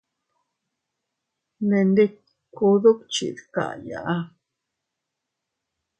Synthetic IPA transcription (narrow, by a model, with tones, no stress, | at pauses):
ne˧nd̪e˦ | ku˧ðo˦kt͡ʃḭ˨d̪ka̰˨ʔja̰˨ʔa˦